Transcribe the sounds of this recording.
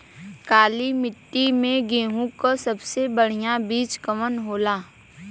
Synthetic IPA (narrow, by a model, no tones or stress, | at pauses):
kaːlimɪʈːimẽɡeːɦũkasɐbsebəɽ̤ijabiːt͡ʃkəmənɦoːlaː